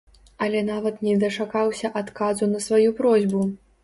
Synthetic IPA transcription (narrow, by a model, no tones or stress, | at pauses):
ɐlʲɛnavɐt̪nʲɛd̪ɐt͡ʂakawsʲɐʔat̪kazunɐsvajupɾɔzʲbu